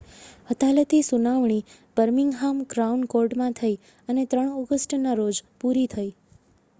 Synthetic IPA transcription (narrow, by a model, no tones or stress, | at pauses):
ət̪alət̪isunaʋɳ̃i | b̥əɾmɪŋɡɦamɡɾaunkoɾɖmãt̪ʰəi | ənet̪ɾəɳ̃ɔɡəsʈnaɾod͡ʒpuɾit̪ʰəi